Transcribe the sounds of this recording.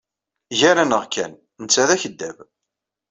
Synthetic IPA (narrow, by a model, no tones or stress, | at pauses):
ʝæɾænəʁkːæn | nət͡sːæðæçəd̪ːæv